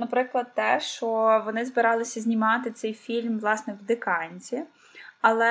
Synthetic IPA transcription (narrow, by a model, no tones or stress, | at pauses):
nɐpɾɪklˠɐd̪̚t̪ɛʃt͡ʃɔʋɔnɪzbɪɾɑlˠɪsʲɐzʲnʲimɑt̪ɪt̪sɛjfʲilʲmʋlˠɑsnɛwd̪ɪkɑnʲt͡sʲi | ɐlˠɛ